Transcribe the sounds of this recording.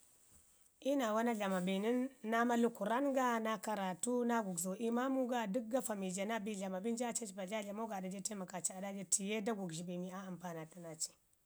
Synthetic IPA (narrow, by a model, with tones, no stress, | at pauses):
ʔi˦na˨wa˦na˦ɮa˨ma˨bi˨ni˦nːa˦ma˦lu˦ku˨ɾa˦nɡa˦na˦ka˨ɾa˨tu˦na˦ɡu˨ɡzo˨ʔi˦ma˦mu˦ɡa˦du˦k̚ɡa˦fa˨mi˨d͡ʒa˨na˦bi˨ɮa˨ma˨bi˦nd͡ʒa˦t͡ʃa˦t͡ʃba˨ɮa˦ɮa˨mo˦ɡa˨da˨d͡ʒe˦te˦ma˨ka˨t͡ʃi˦˨a˨da˦d͡ʒe˦tʰi˨je˦da˦ɡu˨ɡʒi˨bi˨mi˨a˦a˨mpa˨na˨ta˦na˨t͡ʃi̥˨